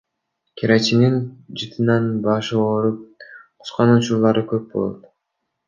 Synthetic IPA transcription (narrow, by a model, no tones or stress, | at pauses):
kʲʰiɾat͡ʃinind͡ʒɯt̪ʰɯnɑnbɑʃɯoɾup̚qʰu̥sqɑnut͡ʃuɾlˠɑɾɯkøp̚bo̞lˠo̰t̪